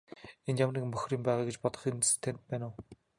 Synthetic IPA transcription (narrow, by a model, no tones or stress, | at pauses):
enjamriːkmɵxʲriːmpæːʁaːɡet͡ɕpɔt̪ɞ̆χinst̪ʰent̪̚pæːnʊː